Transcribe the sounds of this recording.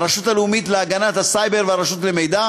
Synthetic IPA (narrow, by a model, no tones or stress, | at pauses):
ʁaʃutaleumit̪leaɡanat̪hasajbe̞ʁveaʁaʃutleme̞jd̪a